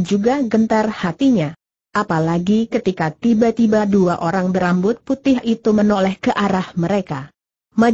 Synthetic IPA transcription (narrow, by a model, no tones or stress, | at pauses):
d͡ʒuɡaɡənt̪arhat̪iɲa | ʔapalaɡikət̪ikat̪ibat̪ibaduaʔoɾaŋbəɾambʊt̪̚put̪ɪɦit̪umənolɛhkəʔaɾahməɾeka | ma